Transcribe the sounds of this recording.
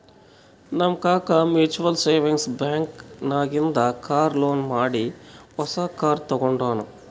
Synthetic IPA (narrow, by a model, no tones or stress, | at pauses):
nɐmkaːkɐmjuːt͡ʃuʋɐlseːʋiŋɡsbjaːŋknaːɡind̪ɐkaːɾloːnmaːɽiɔsaːkːaːɾt̪ɐɡɔɳɖaːnu